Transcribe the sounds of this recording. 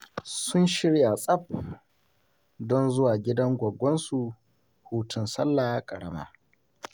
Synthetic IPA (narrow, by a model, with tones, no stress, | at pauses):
sʊ˦nʃɪ˦ɽja˨sʼɐ˦p̚ | dɔ˦nzʊ˦waː˨ɡʲɪ˦dɐ˦ŋɡʷɐ˨ɡʷːɔ˦nsu˨ | huː˦tʊ˨nsɐ˦lːaː˨˦kʼɐ˨ɽɐ̰˦ma̰ː˦